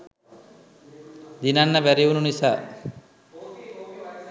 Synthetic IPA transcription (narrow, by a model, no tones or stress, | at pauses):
d̪inanːəbæɾiununisaː